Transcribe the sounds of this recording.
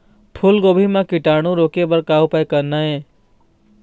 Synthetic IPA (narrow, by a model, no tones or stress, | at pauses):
pʰulɡobʱimakiʈaɽ̃ũɾokebəɾkaupajkənːaẽ